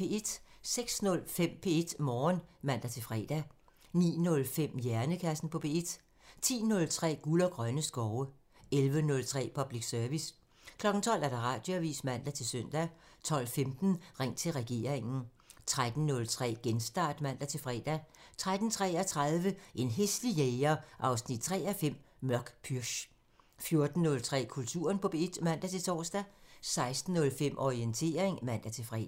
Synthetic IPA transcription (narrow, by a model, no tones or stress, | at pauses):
ee̝d̥seɡ̥snɔ̽lfem̰pʰe̝e̝d̥mɒːnmæn̰d̥æt͡sʰe̝fʁɛ̰ːd̥æ | nḭːnɔ̽lfem̰jæɐnəkʰæsn̩pʰɒ̽pʰe̝̰ːe̝d̥ | t͡sʰḭːnɔ̽lt͡sʰʁɛ̰ːɡ̥ulɐɡ̥ʁɶnəsɡ̥ɒʊə | elʋənɔ̽lt͡sʰʁɛ̰ːpʰɒ̽b̥liɡ̥sœɐʋis | kʰlɒ̽ɡ̥n̩t͡sʰɒ̽l̰æɐd̥ɑ̈ʁɑ̰̈d̥joæʋḭːsmæn̰d̥æt͡sʰe̝lsøn̰d̥æt͡sʰɒ̽l̰femd̥n̩ʁɛŋ̰t͡sʰe̝lʁɛɡ̥e̝̰ːɐ̰ʁeŋn̩ | t͡sʰʁad̥n̩nɔ̽lt͡sʰʁɛ̰ːɡ̥ensd̥ɑ̰̈ːd̥mæn̰d̥æt͡sʰe̝lfʁɛ̰ːd̥æt͡sʰʁad̥n̩t͡sʰʁɛ̰ːæt͡sʰʁaðˠʋəʔe̝nɦeslijeɪɐʔɑ̈ʊsnid̥̚t͡sʰʁɛ̰ːæfem̰ | mɶɐɡ̥pʰyɐɕ | fjo̝ɐd̥n̩nɔ̽lt͡sʰʁɛ̰ːkʰult͡sʰṵːɐnpʰɒ̽b̥ed̥mæn̰d̥æt͡sʰe̝t͡sʰɒ̰ːsd̥æsɑ̈ɪsd̥n̩ːɔ̽lfem̰ʔɒʁient͡sʰe̝̰ːɐʁeŋmæn̰d̥æt͡sʰe̝fʁɛ̰ː